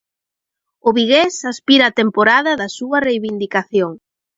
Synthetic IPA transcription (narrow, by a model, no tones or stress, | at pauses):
ʊβiɣesaspiɾɐːt̪empoɾaðɐðɐsuɐrejβind̪ikaθjoŋ